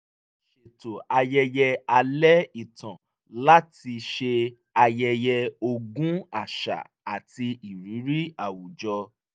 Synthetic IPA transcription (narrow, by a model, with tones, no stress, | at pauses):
ʃe˨to˨a˧jɛ˧jɛ˧a˧lɛ˦i˦˨tã˨ | la˦ti˧ʃe˧ | a˧jɛ˧jɛ˧o˧ɡũ˦a˨ʃa̰˨ | a˨ti˧i˨ɾi˨˦ɾi˦a˨wu˨d͡ʒɔ˧